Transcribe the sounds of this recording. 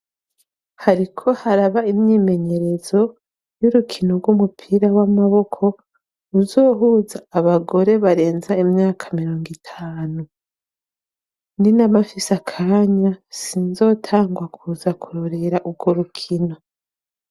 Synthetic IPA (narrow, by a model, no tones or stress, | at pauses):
haɾikʰo̞haɾaβaimɲime̞ɲe̞ɾe̞zo̞ | juɾukʰinoɡɡwumupʰiːɾawamaβo̞kʰo̞ | uzo̞ːɦuːzaːβaɡo̞ɾe̞βaɾe̞ːnzaimɲaːkʰḁmiɾo̞ːŋɡitʰaːnu | ninamafisakʰaːɲasinzo̞ːtʰaːŋɡwakʰuːzakuɾoɾe̞ɾaʔub̚ɡo̞ɾukʰino̞